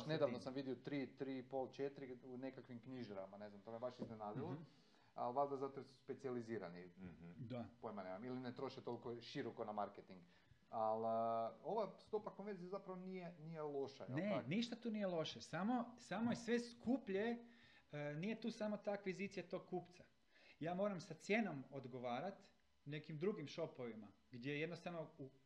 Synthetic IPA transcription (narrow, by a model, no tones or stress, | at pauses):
ned̪aʋnosamʋid̪iot̪ɾiːt̪ɾiːpo̞lˠt͡ʃet̪ɾiunekakʋimkɲiʒɾa̰mane̞znamt̪omebaʃiznenaːd̪ilˠo | a̰lʋald̪azat̪ojsu̥spe̞t̪sializiːɾa̰nid̪apojmanemamilinet̪ɾo̞ʃet̪o̞lkoʃiɾokonamaɾket̪iŋɡ | aloʋast̪opakonʋenzijazapɾaʋonijenijelˠo̞ʃa̰j̰neniʃt̪at̪uːnijelˠo̞ʃesamo̞samo̞esʋe̞skʰupʎe | nije̞t̪uːsamo̞t̪akʋizit̪sijat̪o̞ɡ̚kuːpt̪sa | jaːmo̞ːɾamsat̪sje̞nomo̞d̪ɡoʋaːɾat̪ | ne̞kimd̪ɾuɡimʃo̞po̞ʋima | ɡd̪jejed̪nost̪aʋno̞u